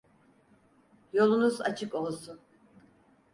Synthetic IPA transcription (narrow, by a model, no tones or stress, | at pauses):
jo̞lˠunuza̰t͡ʃʰɯko̞lˠsun